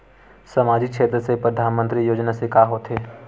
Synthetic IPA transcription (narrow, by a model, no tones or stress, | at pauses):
sɐmaːd͡ʒik̚ʃeːt̪ɾəsepɾəd̪ʱaːnmə̃nt̪ɾijoːd͡ʒnasekaːɦoːt̪ɦeː